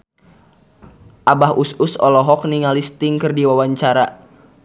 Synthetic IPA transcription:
ʔabahʔususɔ̰lɔɦɔk̚niŋalist̪ɪŋkɨrdiwawaɲt͡ʃaɾa

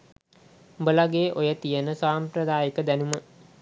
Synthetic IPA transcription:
mbəlaɡeːʔojət̪ijənəsaːmpɾəd̪aːjəkəd̪ænumə

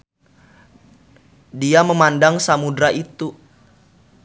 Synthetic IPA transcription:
diaməmandaŋsamudɾaʔit̪u

